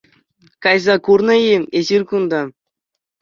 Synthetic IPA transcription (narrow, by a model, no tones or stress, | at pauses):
kɑjzɑkurnɤ̆iezirʲkund̪ɑ